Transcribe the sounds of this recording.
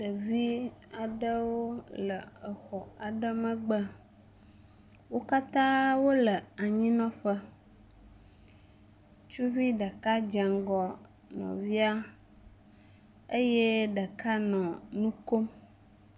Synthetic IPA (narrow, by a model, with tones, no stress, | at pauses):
ɖə˨vi˦a˨ɖə˦wo˦lə˨ə˨xɔ˨a˨ɖə˦mə̃˨ɡ͡bə˦ | wo˦ka˦t̪ã˦wo˦lə˨a˨ɲĩ˦nɔ̃˦ɸə˦ | t͡ʃu˦vi˦ɖə˨ka˦d͡ʒɛ˨ŋɡɔ˨ | nɔ̰̃˨vi˦a˦ | ə˦je˦ɖə˨ka˦nɔ̃˨nũ˦ko˦m